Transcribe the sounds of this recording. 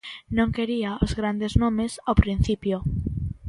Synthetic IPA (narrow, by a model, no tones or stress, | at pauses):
nõŋkeɾiaozɣɾand̪eznõmesawpɾĩn̟θipjo